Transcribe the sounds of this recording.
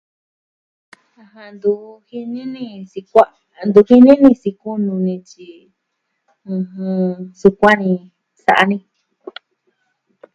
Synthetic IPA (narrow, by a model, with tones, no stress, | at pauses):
a˧ɦã˧nd̪u˧hi˧nĩ˦nĩ˧si˧kʷa˦ | nd̪u˧hi˦nĩ˦nĩ˧si˧ku˦nũ˧nĩ˧t͡ʃi˧ | ũ˧hũ˧su˧kʷa˦nĩ˧ | sa̰˧ʔa˧nĩ˧